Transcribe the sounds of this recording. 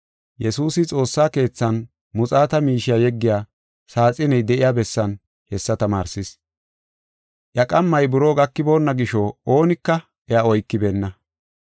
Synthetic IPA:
jɛsuːsɪt͡sʼo̞ːsːaːke̞ːt͡sːɐn | mʊt͡sʼaːt̪ɐmiːʃɪjaːjɛɡːɪjaː | saːt͡sʼɪnɛjd̪ɛʔɪjaːbɛsːɐn | hɛsːɐt̪ɐma̰ːɾsɪs | ʔjɐkʼɐmːɐjbʊɾo̞ːɡɐkːɪbo̞ːnːɐɡɪʃoːoːnɪkːɐ | ʔɛaɔjkːɪbeːnːɐ

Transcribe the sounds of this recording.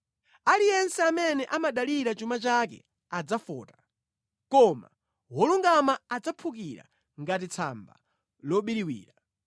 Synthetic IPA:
alijɛnsɛamɛnɛʔamaɗaliɾat͡ʃumat͡ʃakɛ̰ | ad͡zafɔ̰ːtḁ | kɔma̰ | wɔluŋɡamaːd͡zapʰuk̬iɾa̰ | ŋɡat̬it͡sʰa̰mba̰ | lɔɓiɾiwḭːɾa

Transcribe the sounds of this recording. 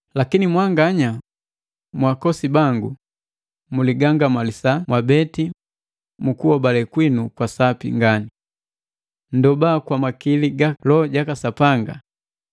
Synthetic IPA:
lakinimwaŋɡaɲa | mwakɔsibaŋɡu | muliɡaŋɡamalisamwabɛti | mukuɔbalɛkwinukwasapḭŋɡani | ndɔbaːkwamakiliɡalɔɟakasapaŋɡa̰

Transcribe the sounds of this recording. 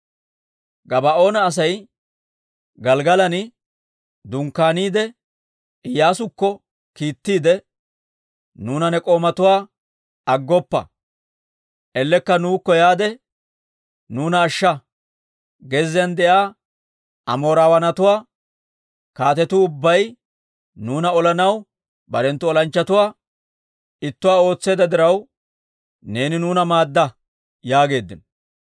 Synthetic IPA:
ɡɐbɐo̞ːnɐːs̬ɐj | ɡɐlɡɐlɐnɪ | d̪ʊŋkːaːniːd̪ɛ | ɪjːaːsʊkːɔ | kiːt̪ːiːd̪ɛ | nuːnɐnɛkʼo̞ːmɐt̪ʊwaː | ɐɡːɔpːɐ̰ | ʔɛlːɛkːɐnuːkːɔjaːd̪ɛ | nuːnɐːʃːɐ | ɡɛzːɪjɐnd̪ɛʔaː | ɐmo̞ːɾaːwɐnɐt̪ʊwaː | kaːt̪ɛt̪ʊʊbːɐj | nuːnɐɔlɐnɐw | bɐɾɛnt̪ːʊɔlɐnt͡ʃːɐt̪ʊwaː | ɪt̪ːʊwaːo̞ːt͡sːe̞ːd̪ɐd̪ɪɾɐw | ne̞ːnɪnuːnɐmaːd̪ːɐ | jaːɡe̞ːd̪ːɪn

